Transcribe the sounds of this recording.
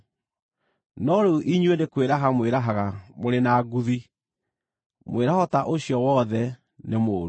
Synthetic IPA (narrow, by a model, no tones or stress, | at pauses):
nɔɾeuʔiɲwenekweɾaɦamweɾaɦaɣamoɾenaːɡuði | mweɾahɔtaʔoɕiɔwɔðɛ | nemoːɾu